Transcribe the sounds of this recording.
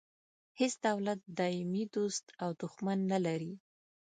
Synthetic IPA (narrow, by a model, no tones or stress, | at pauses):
hesd̪awlat̪̚d̪ɑɪmid̪ost̪awd̪ʊxmanːalaɾi